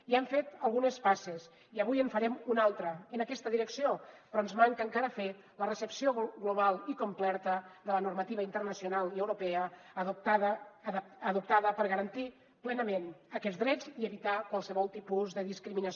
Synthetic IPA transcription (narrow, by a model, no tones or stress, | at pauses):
iaɱfet̪əlˠɣunəspases | iəβ̞ujəɱfəɾɛmunalˠt̪ɾəːnəkɛst̪əðiɾəksiopɾɔənzmaŋkəːŋkaɾəfe | lərəsəpsioɣloβalˠikomplɛɾt̪əðələnuɾmət̪iβəint̪ərnəsiunalˠiəwɾopɛət̪aː | ðup̚t̪aðəpəɾɣəɾənt̪i | plɛnəmenəkɛd͡zdɾɛd͡ziəβit̪akwalˠsəβɔlˠt̪ipuzðəðiskɾiminəs